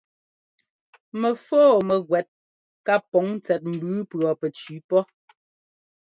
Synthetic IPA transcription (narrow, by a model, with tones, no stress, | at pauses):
mɛ˨foː˦˨mɛ˨ɣwɛ˨t̚ | ka˦pɔ˨˦ŋ˦t͡sɛ˨t̚m̩˨bʉ˨˦pɰɔ˨pɛ˨t͡ʃi˨˦pɔ˦